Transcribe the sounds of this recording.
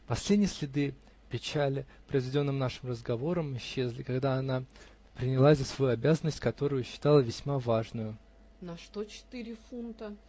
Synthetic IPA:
pɐsʲlʲedʲnʲɪjəsʲlʲɪd̪ɨ | pʲɪt͡ɕælʲɪpɾəzvʲɪdʲo̞nːɨmnaʂɨmrəzɡɐvo̞ɾəmɪɕːezʲlʲɪkɐɡd̪aɐna | pɾʲɪnʲɪlˠazəsvɐjuɐbʲazənːəsʲtʲkɐt̪o̞ɾʊjʊɕːɪ̥t̪alˠəvʲɪsʲmavaʐnʊjʊ | nɐʂt̪ot͡ɕɪ̥t̪iɾʲɪfunt̪ə

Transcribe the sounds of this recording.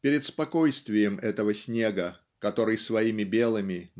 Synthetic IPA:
pʲɪɾʲɪt̪spɐko̞jst̪vʲɪjəmʔɛt̪əvəsʲnʲe̞ɡə | kɐt̪o̞ɾɨjsvɐimʲɪbʲe̞lˠɨmʲɪn

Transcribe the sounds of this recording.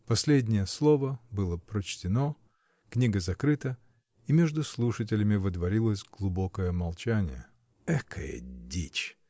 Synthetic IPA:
pɐsʲlʲedʲnʲɪjəslˠovəbɨlˠəpɾət͡ɕtʲɪno̞ | knʲiɡəzɐkɾɨt̪ə | imʲeʐd̪ʊslˠuʂət̬ʲɪlʲɪmʲɪvɨd̪vɐɾʲilˠəsʲɡlˠʊbo̞kəjəmɐlˠt͡ɕænʲɪ̰jə̰ | ɛkʰəjḛdʲḭt͡ɕ

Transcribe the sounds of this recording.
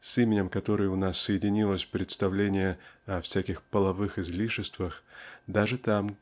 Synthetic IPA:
simʲɪnʲɪmkɐt̪o̞ɾɨjəʊnasːəjɪdʲɪnʲilˠəsʲpɾʲɪt̪st̪ɐvlʲenʲɪjəɐfsʲækʲɪxpəlˠɐvɨxɪzlʲiʂɪst̪vəxd̪aʐɨt̪am

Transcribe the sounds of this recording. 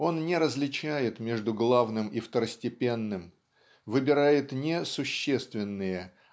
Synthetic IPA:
o̞nnʲɪɾəzlʲɪt͡ɕæjɪt̪mʲeʐd̪ʊɡlˠavnɨmift̪əɾəsʲtʲɪpʲe̞nːɨm | vɨbʲɪɾajɪt̪nʲɪsʊɕːest̪vʲɪnːɨjə

